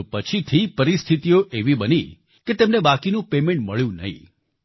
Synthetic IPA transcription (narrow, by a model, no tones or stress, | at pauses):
pət͡ʃʰit̪ʰipəɾist̪ʰit̪ijoʔeʋibəni | ket̪emnebakinũpemẽɳʈməɭjũnə̰ɦḭ̃